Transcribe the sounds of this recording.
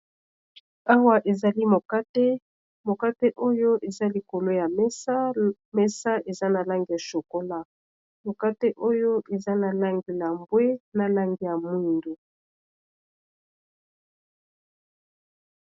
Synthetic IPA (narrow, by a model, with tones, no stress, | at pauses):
a˦wa˦ʔe˨za˨li˦mo˨ka˦te˦ | mo˨ka˦te˦ʔo˦jo˦ʔe˨za˦li˨ko˨lo˦ja˨mɛ˦sa˦ | mɛ˦sa˦ʔe˨za˦na˨la˦ŋɡi˨ja˨ʃo˨ko˦la˦ | mo˨ka˦te˦ʔo˦jo˦ʔe˨za˦na˨la˦ŋɡi˨la˨mbwe˦na˨la˦ŋɡi˦ja˨mwi˦ndo˨